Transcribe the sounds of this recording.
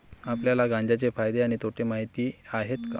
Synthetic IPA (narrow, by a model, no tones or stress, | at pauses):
apljalaɡãɲd͡ʑat͡ɕefajd̪eaɽ̃it̪ʰoʈʰemaɦit̪iːaɦet̪ka